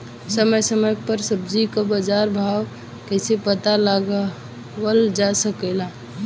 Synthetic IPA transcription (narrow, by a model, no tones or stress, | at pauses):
səməjsəməjpəɾsəb̚d͡ʒikabəd͡ʒaɾbʱaw | kɛsepət̪alaɡ | wəld͡ʒasəkɛla